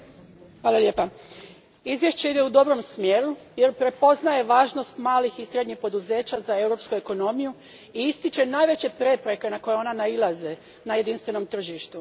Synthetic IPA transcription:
xʋaːlˠalje̞ːpa | izʋje̞ʃt͡ɕe̞id̪eud̪o̞bɾo̞msmjeːɾu | je̞ɾpɾe̞po̞znaje̞ʋaːʒno̞st̪maːlixisɾed̪ɲixpo̞d̪uze̞ːt͡ɕazae̞wɾo̞pskueko̞no̞miju | iist̪it͡ʃe̞naːjʋe̞t͡ɕe̞pɾe̞pɾe̞ke̞nako̞jeo̞nanailˠaze | naje̞d̪inst̪ʋe̞no̞mt̪r̩ʒiʃt̪u

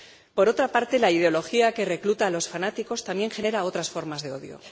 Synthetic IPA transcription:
po̞ɾo̞t̪ɾapaɾt̪e̞laið̞eo̞lo̞xiake̞re̞klut̪aːlo̞sfanat̪iko̞st̪amje̞ŋxe̞ne̞ɾao̞t̪ɾasfo̞ɾmazðe̞o̞ðjo̞̰

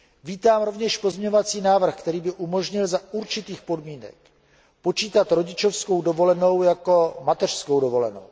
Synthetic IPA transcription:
viːt̪aːmɾo̞vɲɛʃpozmɲovat͡siːnaːvr̩xkt̪ɛɾiːbɪʔumo̞ʒɲɪlzauɾt͡ʃɪt̪iːxpo̞dmiːnɛ̰k̚ | po̞t͡ʃiːt̪at̪ɾo̞ɟɪt͡ʃofsko̞wdovo̞lɛno̞wjako̞mat̪ɛr̥sko̞wdovo̞lɛno̞̰w

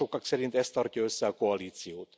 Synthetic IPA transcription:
okːɑksɛɾint̪ɛst̪ːɒrcɒøsːɛɒko̞ɒliːt̪sijoːt̪

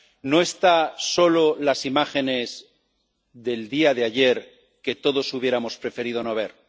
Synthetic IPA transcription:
no̞e̞st̪aso̞lo̞lasimaxe̞ne̞z | ðe̞ld̪iaðeaʝe̞ɾ | ke̞t̪o̞ðosuβje̞ɾamo̞spɾe̞fe̞ɾiðo̞no̞β̞e̞ɾ

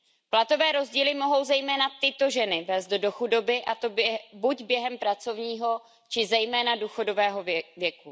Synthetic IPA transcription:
plat̪o̞vɛːɾo̞zɟiːlɪmo̞ɦo̞wzɛjmɛːnat̪ɪt̪o̞ʒɛnɪvɛːzd̪do̞xudo̞bɪʔat̪obɛbuɟbjɛɦɛmpɾat͡so̞vɲiːɦo̞ | t͡ʃɪzɛjmɛːnaduːxo̞do̞vɛːɦo̞vjɛku

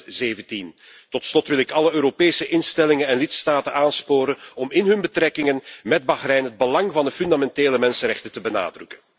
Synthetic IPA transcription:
zeːvəntin | tɔtslɔtʋɪlɪkɑləøːɾopeːsəʔɪnstɛlɪŋənɛnlɪtstaːtənaːnspoːɾənɔmɪnɦɵnbətrɛkɪŋənmɛd̚bɑχrɛjnɦəd̚bəlɑŋvɑndəfʏndamɛnteːləmɛnsənrɛxtətəbəna̰ːdrɵkən

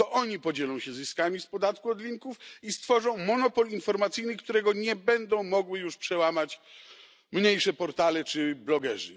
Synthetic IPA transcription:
t̪ɔʔɔɲipɔd͡ʑɛlɔ̃w̃ɕɛzɘskamʲispɔd̪at̪kuɔd̪lʲiŋkufist̪fɔʐɔ̃w̃mɔnɔpɔlinfɔɾmat̪sɘjnɘkt̪uɾɛɡɔɲɛbɛnd̪ɔ̃w̃mɔɡwɘjuʂpʂɛwamat͡ɕ | mɲejʂɛpɔɾt̪alɛt͡ʂɘblɔɡɛʐɨ̰

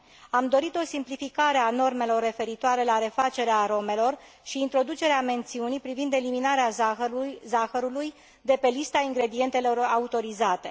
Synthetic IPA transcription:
amd̪o̞ɾit̪o̞simplifikaɾe̞ano̞rme̞lo̞rːe̞fe̞ɾit̪oaɾe̞laɾe̞fat͡ʃe̞ɾeaɾo̞me̞lo̞r | ʃiːnt̪ɾo̞d̪ut͡ʃe̞ɾeame̞nt̪siunijpɾivind̪e̞liminaɾea | zaxəɾuluj | d̪e̞pe̞list̪aiŋɡɾe̞d̪ie̞nt̪e̞lo̞raut̪o̞ɾizat̪e̞

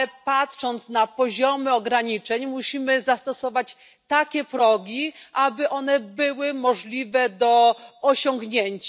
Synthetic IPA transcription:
patʂɔnt̪snapɔʑɔmɘɔɡɾaɲit͡ʂɛɲmuɕimɘzast̪ɔsɔvat͡ɕ | t̪akʲɛpɾɔɡʲiʔabɘʔɔnɛbɘwɘmɔʐlʲivɛd̪ɔːɕɔŋɡɲeɲt͡ɕa

